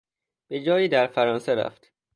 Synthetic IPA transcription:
b̥e̞d͡ʒɒːjiːd̪æɾfæɾɒːnseɾæ̰ft̪

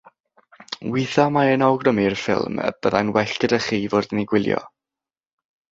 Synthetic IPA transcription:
wiθɔmaɛnɔwɡrəmirfɪ̰lˠmə̰b̥əðanwɛɬkəɾəχiːvoːrdniɡwɪlˠjɔ̰

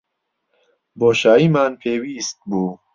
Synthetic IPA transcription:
boːʃaːiːmaːnpʰeːwiːst̪̚buː

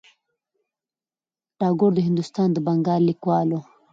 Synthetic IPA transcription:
ʈɑːɡʊɾd̪əɦɪnd̪ust̪ɑːnd̪əbaŋɡɑːllikwɑlo

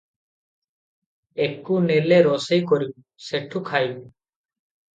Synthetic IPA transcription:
ekːuneleɾɔsəjkɔɾibu | seʈʰːukʰajbu

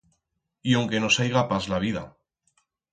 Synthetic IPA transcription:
iawŋke̞no̞sajɣapazlaβ̞iða̰

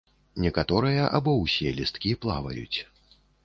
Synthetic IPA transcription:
nʲɛkat̪ɔɾɨjɐʔabɔwsʲɛlʲist̪kʲiplˠa̰vɐ̰jṵt͡sʲ

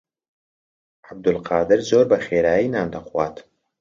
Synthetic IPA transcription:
ʕab̚d̪ʊlqʰɑːd̪ɨɾzoːɾbɐxeːɾaːjinaːnd̪ɐqwaːt̪

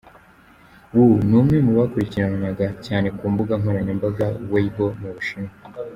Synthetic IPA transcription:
wunumŋe̞muβakuɾiciɾanumaɡacaːne̞kuːmbuɡaŋɦoɾaɲembaɡawaibomuβuʃime

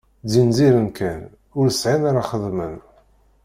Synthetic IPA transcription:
dinziɾənkæn | ʊɾsʕinaɾaχəðˤmən

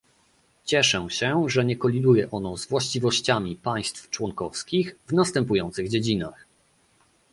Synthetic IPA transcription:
t͡ɕɛʂɛ̃ɕɛʐɛɲɛkɔlʲid̪ujɛʔɔnɔ̃zvwaɕt͡ɕivɔɕt͡ɕamʲipaj̃st̪ft͡ʂwɔŋkɔfskʲixvnast̪ɛmpujɔnt̪sɘɣd͡ʑed͡ʑina̰x

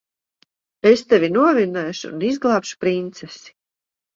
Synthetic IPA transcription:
est̪evʲinuɔvinɛːʃṵːnizɡlˠaːpʃu̥pɾint̪sɛsi̥

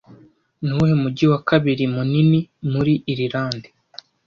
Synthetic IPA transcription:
nuhemuɟiwakaβiɾimuninimuɾiʔːɾiɾaːnde

